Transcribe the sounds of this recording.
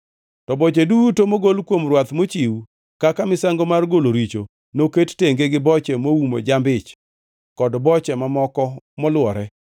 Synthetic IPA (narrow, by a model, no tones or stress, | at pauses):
tɔbɔt͡ʃedutomoɡolkwomrwat̪mot͡ʃiwu | kakamɪsaŋɡomarɡoloɾit͡ʃo̰ | noketteŋɡeɡɪbɔt͡ʃɛmowumo̰d͡ʒambɪt͡ʃ | kɔdbɔt͡ʃɛmamɔkɔ | mɔlwɔɾɛ